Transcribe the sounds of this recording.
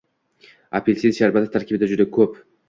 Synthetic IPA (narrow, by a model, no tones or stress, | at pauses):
apʰelʲsid̪ʃaɾbasɪt̪ʰaɾkʲɪbɪd̪ad͡ʒʊd̪akʰɵp